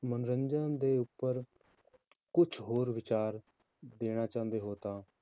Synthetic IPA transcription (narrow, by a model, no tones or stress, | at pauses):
mənɾəɲd͡ʒənd̪eːʊpːəɾ | kʊt͡ʃʰɦoːɾʋɪt͡ʃaːɾ | d̪eːɽ̃aːt͡ʃãːnd̪eːɦoːt̪ãː